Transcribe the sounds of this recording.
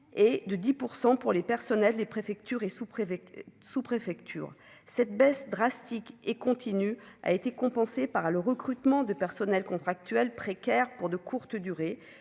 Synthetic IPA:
ed̪əd̪ipuʁsɑ̃puʁlepɛʁsɔnɛlːepχefɛk̚t̪yʁesup | supχefɛkt̪ʰy̰ːʁ | sɛt̪̚bɛsd̪ʁast̪ikekɔ̃t̪ʰinya̰et̪ekɔ̃pɑ̃sepaʁləʁəkχyt̪mɑ̃d̪əpɛʁsɔnɛlkɔ̃t̪χak̚t̪ɥɛlpχekʲɛʁpuʁd̪əkʰuʁt̪d̪yʁe

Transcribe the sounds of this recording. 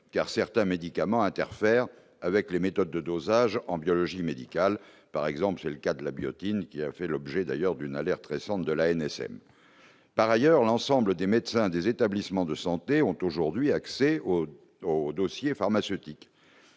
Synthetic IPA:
ka̰ʁsɛʁt̪ɛ̃med̪ikamɑ̃ɛ̃t̪ɛʁfɛʁ | avɛklemet̪ɔd̪ːəd̪ozaʒɑ̃bjɔlɔʒimed̪ikal | paʁɛɡzɑ̃pləsɛləkad̪əlabjɔ̰t̪inkʲiafɛlɔbʒɛd̪a̰jœʁd̪ynalɛʁt̪ʁesɑ̃t̪d̪əlaɛnɛsɛ̰m | paʁajœʁlɑ̃sɑ̃bləd̪emed̪sɛ̃d̪ezet̪ablismɑ̃d̪əsɑ̃t̪eɔ̃t̪oʒuʁd̪ɥiaksɛo | od̪osjefaʁmasøt̪ik

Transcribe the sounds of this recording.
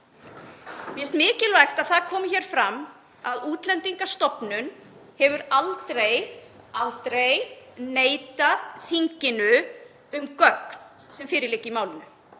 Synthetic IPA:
mɛst̪mɪːcɪlvajxt̪aðθaðkʰɔːmɪçɛːɾ̥fɾamː | aðuːt̪lɛnt̪iŋkast̪ɔpnʏnhɛvʏɾalt̪ɾej | alt̪ɾejneːjt̪aðθʰiɲcɪnʏ | ʏmkœkn | sɛmfɪːɾɪleːcːɪimaːwlɪnʏ

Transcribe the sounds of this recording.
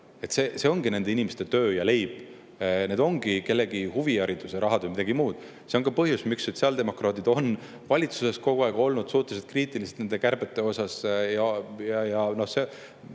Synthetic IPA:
e̞t̪se̞ːse̞o̞ŋɡine̞nd̪e̞inimest̪e̞t̪ø̞ːjɑle̞jb̥ | ne̞d̪o̞ŋɡ̥ike̞lːe̞ɡihuviæɾit̪useɾɑɦɑd̪̥vejmid̪ɑɡ̥imuːd̪̥ | se̞oŋkɑpɤɦjusmiksːo̞t̪siɑld̪e̞mo̞krɑːd̪̥id̪̥o̞n | vɑlʲit̪suse̞sko̞ɡuɑeɡ̥o̞lnud̪̥suht̪ːˑes̬et̪̚kriːt̪ˑilise̥t̪ne̞nd̪e̞kærb̥et̪ːˑe̞o̞sɑsjɑjɑjɑno̞hse̞

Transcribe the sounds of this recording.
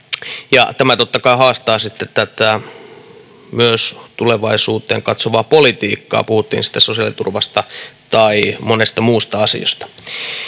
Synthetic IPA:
jɑ̰t̪æmæt̪ot̪ːɑkɑihɑːst̪ɑːsit̪ːet̪t̪æt̪æ | myøst̪uleʋɑisuːt̪ˑeːŋkɑt̪soʋɑːpolit̪iːkːɑ̰ːpuhut̪ːḭːnsi̥t̪ːæsosiɑlit̪ṵrʋɑst̪ɑt̪ɑimonest̪ɑmuːst̪ɑɑsḭo̰st̪ɑ̥

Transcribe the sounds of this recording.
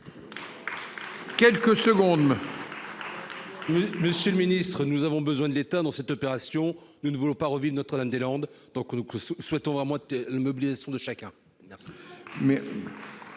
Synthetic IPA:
kʲɛlkəsəɡɔ̃d̪ | mməsjøləminist̪χənuzavɔ̃bəzwɛ̃d̪əlet̪ad̪ɑ̃sɛt̪ɔpeʁasjɔ̃ | nunvulɔ̃paʁəvivʁnɔt̪χəamd̪elɑ̃d̪ | d̪ɔ̃knukswɛt̪ɔ̃vʁɛmɑ̃lamɔbilizasjɔ̃d̪əʃakʲɛ̃ | mɛʁsi̥mɛ

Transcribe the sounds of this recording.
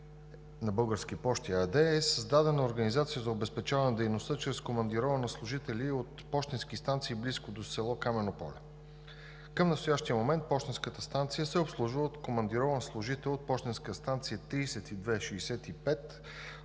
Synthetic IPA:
nɐbɤlˠɡəɾsk̟ipɔʃt̪iɐd̪ɛɛsəzd̪ad̪ɛnɐoɾɡənizat̪sijəzɐobɛspɛt͡ʃavənəd̪ɛjnost̪ət͡ʃɾɛskomɐnd̪iɾɔvənəslˠʊʒit̪ɛlʲiot̪pɔʃt̪inskist̪ant̪siːbliskod̪osɛlˠɔkamɛnopɔ̰lʲɛ | kəmnɐst̪ojaʃt̪ijəmomɛnt̪̚pɔʃt̪inskət̪əst̪ant̪sijəsɛopslˠuʒvəot̪komɐnd̪iɾɔvənslˠʊʒit̪ɛlot̪̚pɔʃt̪inskəəst̪ant̪sijət̪ɾiːsɛt̪id̪vɛʃiːsɛt̪ipɛt̪

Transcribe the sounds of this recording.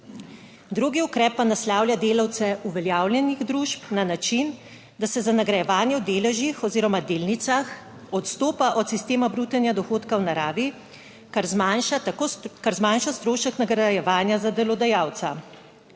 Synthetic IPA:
d̪ɾuɡiukɾɛːpːanaslaːwlʲjad̪eːlawt̪sɛʔuʋɛljawljɛniɣd̪ɾuʃpnanat͡ʃin | d̪asɛzanaɡɾajɛʋaːnjɛwd̪eːlɛʒixɔziːɾɔmad̪eːlnit̪sax | ɔt̪st̪oːpaʔɔt̪sist̪eːmabɾut̪ɛnjad̪ɔxoːt̪kawnaɾaːʋi | kaɾzmanʃat̪akokaɾzmanʃast̪ɾoːʃəknaɡɾajɛʋaːnjazad̪ɛlɔd̪ajaːwt̪sa

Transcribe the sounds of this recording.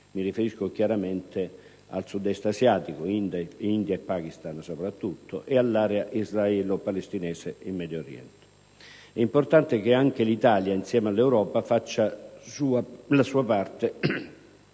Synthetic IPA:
mirifeɾiskok̟jaɾamɛnt̪e | a̰lsud̪ɛst̪asjaːt̪ikoind̪ind̪jaepːak̟ist̪ansopɾat̪ːut̪ːo̰ʔealːaːɾeaʔizraɛːlopalest̪inɛːseimːɛd̪joɾjɛ̰nt̪e̥ | ɛimport̪ant̪ekɪaŋk̟ɪlit̪aːljainsjɛːmalːɛwɾɔːpafat͡ʃːasuːalasuːapart̪e

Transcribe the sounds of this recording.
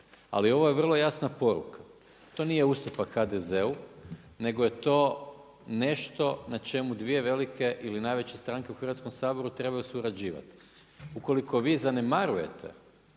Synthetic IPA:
a̰lio̞ʋoje̞ʋr̩lˠo̞jasnapo̞ɾṵkʰa | t̪o̞nije̞ust̪upakxad̪eze̞u | ne̞ɡoje̞t̪o̞ː | ne̞ʃt̪o̞nat͡ʃe̞mud̪ʋije̞ʋe̞likʰe̞ʔilinajʋe̞t͡ɕe̞st̪ɾaŋke̞uxrʋat̪ko̞msaːbo̞ɾut̪ɾe̞bajusuɾad͡ʑiːʋa̰t̪i̥ | uko̞liko̞ʋiːzane̞maɾuje̞̰t̪ʰe̞̰

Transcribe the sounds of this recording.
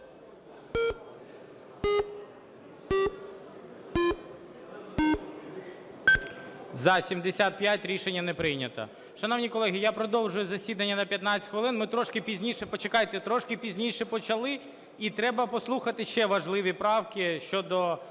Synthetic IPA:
zɐsʲimd̪esʲat̪̚pjatʲɾʲiʃenʲːɐnɛpɾɪjnʲɐt̪ɐ̰ | ʃɐnɔwnʲikɔlˠɛɦʲijapɾɔd̪ɔwʒʊjʊzɐsʲid̪ɐnʲːɐnɐpʲjɐt̪nɑt͡sʲsʲtʲxʋɪlˠɪnmɪt̪ɾɔʃkɪpʲizʲnʲiʃɛpɔt͡ʃekɑjt̪ɛt̪ɾɔʃkɪpʲizʲnʲijʃɛpɔt͡ʃɐlˠɪ | it̪ɾɛbɐpɔslˠuxɐt̪ɪʃɛʋɐʒlˠɪʋʲipɾɑwkʲɪʃt͡ʃɔd̪ɔ

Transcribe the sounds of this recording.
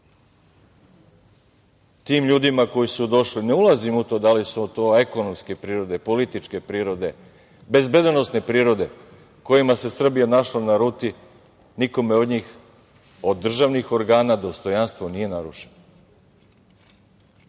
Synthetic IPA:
t̪iːmʎuːd̪imako̞jisud̪o̞ʃline̞ulˠazimut̪o̞ːd̪alisut̪oːeko̞no̞mske̞pɾiːɾo̞d̪e̞po̞lit̪it͡ʃke̞pɾiːɾo̞d̪e̞ | be̞zbe̞d̪no̞sne̞pɾiːɾo̞d̪e̞ | ko̞jimase̞sr̩bijanaʃlanaɾuːt̪i | niko̞meo̞d̪ɲiːx | o̞d̪ːr̩ʒaʋnixo̞ɾɡaːnad̪o̞st̪o̞janst̪ʋonije̞naɾuʃeno

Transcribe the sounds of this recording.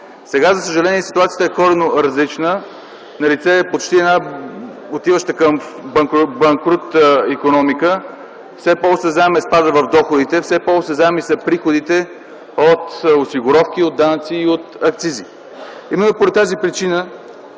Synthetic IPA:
sɛɡazɐsəʒɐlɛniɛsi̥t̪uat̪sijət̪əɛkɔɾɛnoɾɐzlit͡ʃnə | nɐlit̪sɛpot͡ʃt̪iɛna | ot̪ivəʃt̪əkəmbɐŋkbɐŋkɾut̪əikonɔmikə | fsɛpɔlˠsɛzaɛmɛspad̪əvɐvd̪ɔxod̪it̪ɛfsɛpɔlˠsɛzamisɐpɾixod̪it̪ɛ | ot̪osiɡoɾɔfkiod̪anət̪siːot̪ɐkt̪sizi | imɛnːopoɾɛt̪ːazipɾit͡ʃinə

